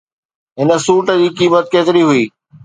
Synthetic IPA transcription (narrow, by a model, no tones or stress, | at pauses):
ɦɪnə̆suːʈəd͡ʑiːkiːmət̪̚keːt̪ɪɾiɦʊiː